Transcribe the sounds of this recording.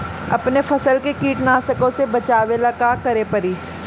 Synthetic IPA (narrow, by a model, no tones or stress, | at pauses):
ɐ̰pnefɐsəlkekiːʈnaːsəkõsebɐt͡ʃaːʋelɐkaːkɐɾepɐɾiː